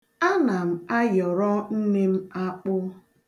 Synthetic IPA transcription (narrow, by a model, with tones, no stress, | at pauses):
a˦na˨m̩˨a˦jɔ˨ɾɔ˦n̩˦ne˦m̩˦a˦k͡pʊ˦